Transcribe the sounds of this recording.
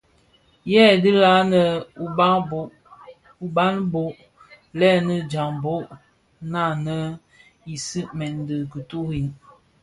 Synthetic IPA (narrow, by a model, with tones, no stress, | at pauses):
jɛ˦˨di˦la˦nə˨˦˨ | u˨ba˦nbo˨ʔ | lɛ˦nə˦d͡ʒa˨ŋbo˦ʔ | na˦˨nə˦ | i˨si˦mɛ˨n˨də˨kə˨tu˦ɣi˨n